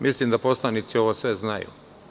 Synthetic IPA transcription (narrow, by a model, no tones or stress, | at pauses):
mʔislimd̪apo̞slˠanit̪sio̞ʋosʋe̞znajṵ